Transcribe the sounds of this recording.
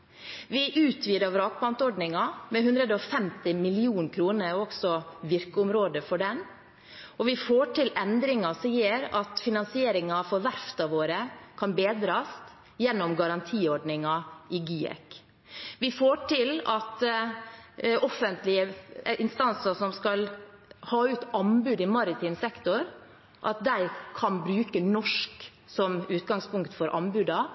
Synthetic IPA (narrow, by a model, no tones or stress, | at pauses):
ʋɪʔʉːt̪ʰʋiːd̪ɑʋɾɑːk̚blɑnt̪ɔɖnɪŋɑmɛhʉnd̪ɾəd̪əɔfɛmt̪ɪmɪlɪuːnkʰɾuːnəɾɔɡsɔʋɪɾkəʊmɾoːd̪əfɔɖɛn | ɔʋɪfoːʈʰɪlɛnd̪ɾɪŋɑsiːəɾɑt̪fɪnɑnsɪeːɾɪŋɑfɔɾʋæɾft̪ɑʋoːɾəkʰɑnbeːd̪ɾɑːst̪ | jɛnːɔmɡɑɾɑnt̪ʰiːɔɖnɪŋɑɪɡyːɛ̰k | ʋɪfoːʈʰɪlɑt̪ | ɔfːənt̪lɪəʔɪnst̪ɑnsəʂɔmskɑlhɑːʉːt̪ɑnbʉːd̪ɪmɑɾɪt̪ʰiːmsɛkt̪ɔɾ | ʔɑ̰t̪̚d̪æɪkʰɑnbɾʉːkənɔʂk | sɔmʉːt̪̚ɡɑŋspʊŋkt̪fɔɾʔɑ̰mbʉːd̪ɑ